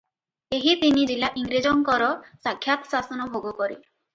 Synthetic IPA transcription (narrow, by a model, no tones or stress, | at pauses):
eɦipinid͡ʒilaʔiŋɡɾid͡ʒɔŋkɔɾɔsakʰːjat̪ɔ̥sasɔnɔbʱoɡɔkɔɾḭ